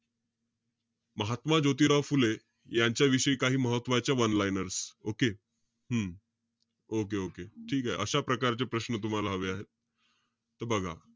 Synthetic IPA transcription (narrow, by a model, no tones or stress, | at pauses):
məɦat̪mad͡ʑot̪̬iːɾaʋfule | jaɲt͡ɕjaʋiɕəiːkaɦiːməɦət̪ːʋat͡ɕjaʋənlajnəɾsoke | ɦəm | okeokeʈʰiːkaɦḛʔəɕapɾəkaɾt͡ɕepɾəɕnət̪̬um̤alaɦəʋeaɦet̪̚ː | əɾbəɡʱa̰